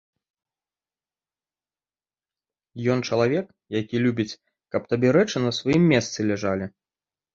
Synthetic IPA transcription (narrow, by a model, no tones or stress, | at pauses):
jɔnt͡ʂɐlˠavʲɛk | jakʲilʲubʲit͡sʲ | kɐp̚t̪abʲɛɾɛt͡ʂɨnɐsvajimʲːɛst̪sɨlʲɛʐalʲi